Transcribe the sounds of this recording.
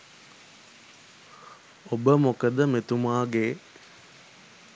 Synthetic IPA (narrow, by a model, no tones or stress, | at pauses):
obəmokəd̪əmet̪umaːɡe